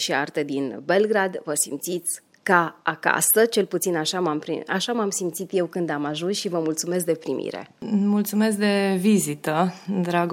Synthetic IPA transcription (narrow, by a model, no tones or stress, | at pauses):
ʃiart̪e̞d̪inbe̞lɡɾad̪vəsimt̪sit̪sʲ | kaaka̰sət͡ʃe̞lput̪sinaʃamampɾḭa̰ʃamamsimt̪sit̪je̞wkɨnd̪amaʒunsʃivəmult̪sumes̬k̚d̪e̞pɾimʔḭɾe̞̰mult̪sume̞s̬k̚d̪e̞vizit̪əd̪ɾaɡ